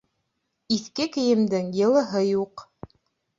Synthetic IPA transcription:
iθkɘkɘ̆jɘ̆md̪ɘŋjɤ̆lˠɤ̆ɦɤjuq

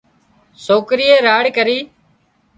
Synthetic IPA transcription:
soːkɾiːeːɾaːɽkəɾiː

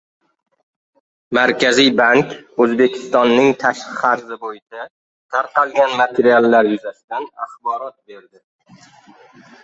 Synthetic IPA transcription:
maɾkʲʰazijbaŋkʲɵzbe̞kʲʰɪ̥st̪ɒnːɪŋt̪ʰaʃqɨ̥χɑɾzɪbojɪt͡ʃʰa | t̪ʰaɾqʰɑlˠɡʲanmat̪ʰeɾialˠːaɾjʊzast̪anaχbɒɾɒt̪̚be̞ɾd̪ɪ

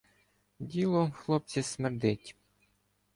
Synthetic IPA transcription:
dʲilˠɔxlˠɔp̚t͡sʲismerd̪ɪtʲ

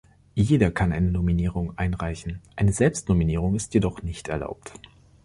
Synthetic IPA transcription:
jeːdɐkʰanʔa̰ɪnənominiːʁ̞ʊŋʔaɪnʁaɪçn̩ʔaɪnəzɛlpstnominiːʁ̞ʊŋɪstjedɔχnɪçtɛɐla̰ʊp̚t

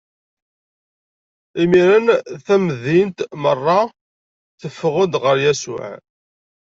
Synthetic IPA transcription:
imiɾənθæməðint̪mərˤːɑ | θəfːəʁʊd̪ʁəɾjæsʊ̰ʕ

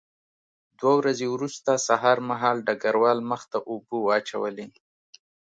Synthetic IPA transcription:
d̪wawɾazewɾust̪asaɦɑɾmaɦɑlɖaɡaɾwɑlməxt̪aʔubuɑt͡ʃa̰wəle

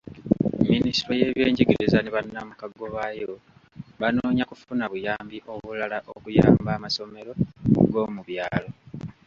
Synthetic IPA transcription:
minisiɾoje̞βjeːɲɟiɡiɾizaneβanːamukaɡːo̞βajo | βanoːɲakufunaβujaːmbiʔo̞βulalaʔokuja̰ːmbaːmaso̞me̞ɾo̞ɡo̞ːmuβjaːlo̞

